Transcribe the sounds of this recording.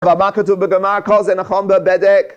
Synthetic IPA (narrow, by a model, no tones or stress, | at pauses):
vamakətubəɡəmaɹkɔzɛnaχɔmbəbɛdɛk